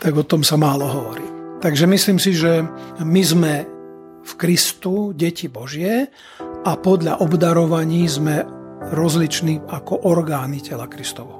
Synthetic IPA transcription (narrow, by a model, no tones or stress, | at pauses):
t̪aɡɔt̪ɔmsamaːlɔɦɔʋɔɾḭːt̪aɡʒɛmisliːmsiʒɛmizmɛ | fkɾist̪uɟɛcibɔʒɪɛ | ʔapɔd̪ʎaʔɔbd̪aɾɔʋaɲiːzmɛɾɔzlit͡ʃniːʔakɔʔɔɾɡaːnicʰɛlakɾist̪ɔʋɔ